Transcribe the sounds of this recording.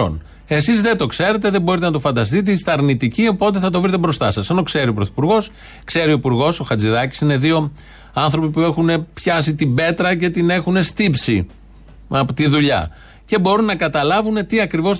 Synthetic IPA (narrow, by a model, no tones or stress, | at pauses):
o̰n | e̞sizðe̞t̪o̞kse̞ɾe̞t̪e̞ðe̞bo̞ɾit̪e̞nɐt̪o̞fɐnd̪ɐst̪it̪̬eist̪ɐɾnit̪icio̞po̞t̪̬e̞θɐt̪o̞vɾit̪̬ebɾo̞st̪ɐsɐseno̞kse̞ɾiopɾoθi̥puɾɣo̞s | kse̞ɾioipuɾɣo̞so̞xɐd͡ziðɐci̥sine̞ðio̞ | ɐnθɾo̞pipue̞xune̞pçɐs̬it̪ibe̞t̪ɾɐce̞t̪ine̞xune̞st̪ipsḭ | ɐpot̪iðuʎɐ̰ | ce̞bo̞ɾunːɐkɐt̪ɐlɐvune̞t̪iɐkɾivo̞s